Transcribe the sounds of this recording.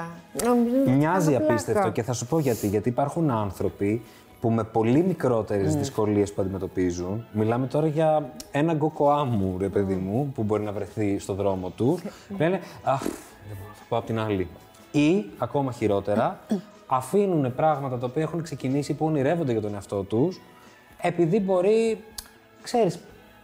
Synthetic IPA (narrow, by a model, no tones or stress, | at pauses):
nomizmmɲɐziɐfpist̪eft̪o̞ce̞θɐsupo̞ʝɐt̪iʝɐt̪iːpɐɾxunɐnθɾo̞pi | pume̞po̞limikɾo̞t̪e̞ɾe̞zzðisko̞lie̞spuɐnd̪ime̞t̪o̞pizunmilɐme̞t̪o̞ɾɐʝɐe̞nɐɡo̞ko̞ɐmuɾe̞pe̞ðimupubo̞ɾinɐvɾe̞θist̪o̞ðɾo̞mo̞t̪usle̞ne̞ɐx | ɐsɐ̥poɐpot̪inɐli | iɐko̞mɐçiɾo̞t̪e̞ɾɐ | ɐfinune̞pɾɐɣmɐt̪ɐt̪ɐopiɐexunekse̞cinisipuɐniɾe̞vond̪eʝɐt̪o̞ne̞ɐft̪o̞t̪us | e̞piðibo̞ɾi | kse̞ɾis